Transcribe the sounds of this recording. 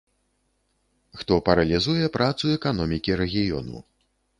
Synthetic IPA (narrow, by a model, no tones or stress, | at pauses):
xt̪ɔpɐɾɐlʲizujɛpɾʔat̪suɛkanɔmʲikʲiɾɛɣʲijɔ̰nṵ